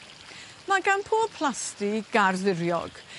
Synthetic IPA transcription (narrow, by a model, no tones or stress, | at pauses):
maɡanpʰoːpʰl̥ˠastiɡ̥arðɪɾjɔ̰ɡ̥